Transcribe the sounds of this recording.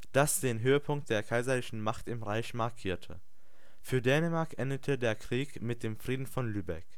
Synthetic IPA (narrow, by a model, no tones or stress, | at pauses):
d̥asd̥eːnɦøːəpʰʊŋk̚t̚d̥eːɐkʰaɪzɐlɪçn̩maχtɪmʁaɪçmaɐkʰiːɐtʰə̰ | fyːɐdɛːnəmaɐkʔɛndətʰədeːɐkʁ̥iːkmɪt̚d̥eːmfʁ̥iːdn̩fɔnlyːbɛ̰k